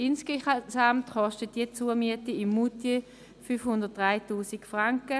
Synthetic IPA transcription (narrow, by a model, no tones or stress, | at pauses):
ɪnskesamtχɔʃtət̚d̥it͡suːɐmyətiɪmːute | fyːfhʊndət̚d̥ʁaɪtuːsikfʁaŋkə